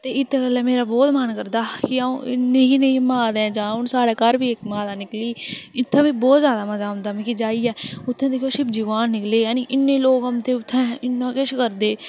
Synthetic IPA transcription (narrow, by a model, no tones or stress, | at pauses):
t̪eːɪt̪ʰːkəlːɛ̃ːmeːɾaːbɔːt̪mənkəɾd̪aːkɪaːṵ̃ːʔɪ̰nːẽːɦiːnẽmãːd̪ɛ̃ːd͡ʒãːʊnsaːɽaːkaɾbʱiːekmãːd̪aːnɪkliːɪt̪ʰːɛ̃ːbĩːbɔːt̪zjaːd̪aːməzaːɦʊ̃nd̪aːmĩːkid͡ʒaːiːɛːʊt̪ʰːẽd̪eːkʰjoːʃɪbd͡ʒɪʋaːnːɪkleːjaːniʔɪnːẽːloːkəmt̪eːʊt̪ʰːɛ̃ːɪnːãːkɪʃkəɾd̪eː